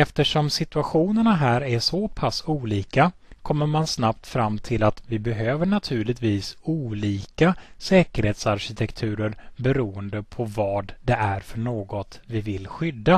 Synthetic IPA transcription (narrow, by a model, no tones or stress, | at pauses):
ɛft̪əʂɔmsɪt̪ɵaɧuːnəɳaɦæːɾæʂɔpʰasːuːliːkakʰɔmːəɾmansnap̚t̪fɾamːt̪ʰɪlat̪vɪbɛɦøːvəɳat̪ʰʉ̟ːɭɪt̪viːsuːliːkasɛːkəɾheːt̪saɾɕɪt̪ʰɛkt̪ʰʉ̟ːɾəɾbɛɾuːənd̪əpʰɔvɑːd̪d̪ɛæɾfœɳoːɡɔt̪vɪvɪlɧʏd̪ːa